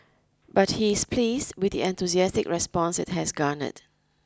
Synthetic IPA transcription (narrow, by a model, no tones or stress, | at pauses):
bat̚hiɪspʰlisdwɪdiɛ̃nt̪uziɛstɪkɹɛspɔ̃nsɛ̰t̚hɛsɡanə̰t